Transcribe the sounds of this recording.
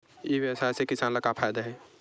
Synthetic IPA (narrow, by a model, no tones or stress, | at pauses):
jiʋesaːsekɪsaːnlɐkapʰaːjd̪aɦɛː